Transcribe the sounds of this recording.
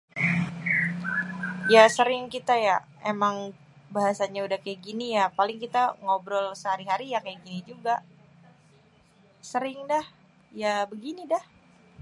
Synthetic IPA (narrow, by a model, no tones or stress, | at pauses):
jasəɾɪŋkit̪aja | emaŋ | baɦasaɲaudahkajaɡinijapalɪŋkit̪aŋobɾɔlsəɦaɾiɦaɾijakajaɡinid͡ʒuɡaʔ | səɾɪŋdah | jabəɡinidah